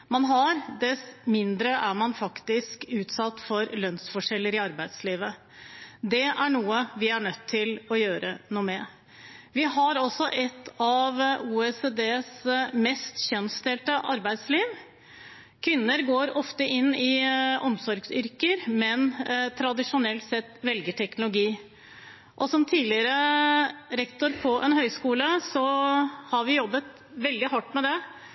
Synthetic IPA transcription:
mɑnɦɑɾd̪ɛsmɪnd̪ɾəʔæɾmɑnfɑkt̪ɪskʉːt̪sɑt̪ːfɔɾlœnsfɔʂɛlːəɾɪɑɾbæɪd̪sliːʋə | d̪ɛʔæɳuːəʋɪæɳœt̪ʰːɪlɔjøːɾənuːmɛ | ʋɪɦɑɾɔsɔʔɛt̪ʰːɑʋuːɛseːd̪eːsmɛst̪çœnst̪ɛlt̪əʔɑɾbæɪd̪sliːʋ | kʰʋɪnːəɾɡoːɾɔft̪əʔɪnːɪʔɔmsɔɾɡsʏɾkəɾmɛnt̪ʰɾɑd̪ɪʂʊnɛlt̪sɛt̪ːʋɛlɡəʈʰɛknʊlʊɡiː | ʔɔsɔmt̪ʰiːlɪɾə | ɾɛkt̪ʊɾpʰɔʔɛnhœʏskuːləsɔhɑɾʋɪjɔbːət̪ | ʋɛld̪ɪɦɑʈːmɛd̪ɛ

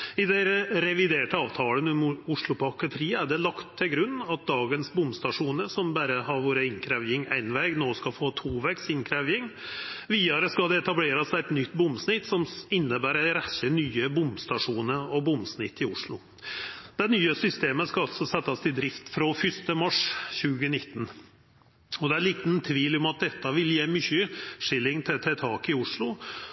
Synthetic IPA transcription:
ɪd̪ɛɾɛʋɪd̪eːʈəɑːʋt̪ʰɑːlənʊmʊʂɭʊpʰɑkət̪ʰɾiːəæɖɛlɑkt̪ʰːɪlɡɾʉnːɑt̪̚d̪ɑːɡənsbʊmst̪ɑʂuːnəɾsɔmbæɾəɦɑɾʋoːɾəɪŋkʰɾæʋjɪŋæ̰ɪnʋɛːɡnoːskɑfoːt̪ʰuːʋɛksɪŋkʰɾæʋjɪŋʋiːɑɾəskɑld̪ɛɛt̪ɑbleːɾɑsæɪt̪nʏt̪ːbʊmsnɪt̪ːsɔmɪnːəbæːɾæɾæçənyːəbʊmst̪ɑʂuːnəɾɔbʊmsnɪt̪ʰːɪʊʂɭʊ̰ | d̪̥ɛnyːəsʏst̪eːməskɑɑlt̪sɔsɛt̪ːɑst̪ʰɪd̪ɾɪft̪fɾoːfʏst̪əmɑʂçʉːɡənɪt̪ːn | ɔd̪ɛæɭiːt̪n̩t̪ʰʋiːlɔmɑt̪̚d̪ɛt̪ːəʋɪljeːmʏçəʂɪlːɪŋt̪ʰɛt̪ʰɛt̪ʰɑːkɪʊʂɭʊ

